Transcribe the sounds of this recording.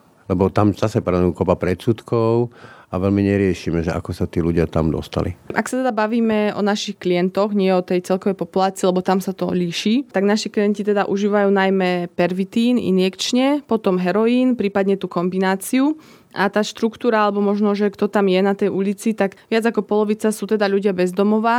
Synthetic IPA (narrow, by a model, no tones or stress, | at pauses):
lɛbɔt̪amzasɛpɾanukɔpapɾɛt̪sut̪kɔʊaʋɛlmiɲɛɾɪɛʃiːmɛʒɛʔa̰kɔsat̪iːluɟɪat̪a̰md̪ɔ̰st̪a̰lḭʔa̰ksat̪ɛd̪abaʋiːmɛɔ̰naʃixklijɛnt̪ɔɣɲɪɛɔt̪ɛjt͡sɛlkɔʋɛjpɔpulaːt͡siːlɛbɔt̪amsat̪ɔliʃit̪aɡnaʃiklijɛncit̪ɛd̪aʔuʒiːʋajuːnajmɛpɛɾʋit̪iːnḭnjɛkt͡ʃɲɛpɔt̪ɔmɦɛɾɔjiːnpɾiːpad̪ɲɛt̪uːkɔmbinaːt͡siu | ʔat̪aːʃt̪ɾukt̪uːɾaalɛbɔmɔʒnɔʒɛkt̪ɔt̪amjɛnat̪ɛjʔulit͡sit̪aɡʋɪad͡zakɔpɔlɔʋit͡sasuːt̪ɛd̪aʎuɟɪabɛzd̪ɔmɔʋa